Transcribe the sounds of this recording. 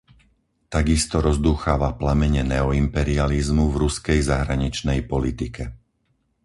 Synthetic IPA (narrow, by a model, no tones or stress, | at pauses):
t̪aɡist̪ɔɾɔzd̪uːxaːʋaplamɛɲɛnɛɔimpɛɾializmuvɾuskɛjzaɦɾaɲit͡ʃnɛjpɔlit̪ikɛ